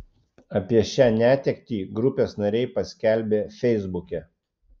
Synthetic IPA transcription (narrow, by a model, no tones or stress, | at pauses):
ɐpʲiɛʃʲæːnʲæːt̪ʲɛkʲt̪ʲiːɡɾʊpʲeːsnɐɾʲɛɪpɐsʲkʲɛˑlʲbʲeːfʲɛɪzbʊkʲɛ